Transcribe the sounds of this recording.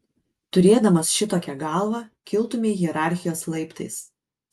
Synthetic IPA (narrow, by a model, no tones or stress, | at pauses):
t̪ʊɾʲeːd̪ɐmɐsʃʲɪt̪oːkʲɛɡɑˑlˠʋɑkʲɪlˠt̪ʊmʲeɪjɛɾɑˑɾʲxʲɪjoːslˠɐɪpt̪ɐɪs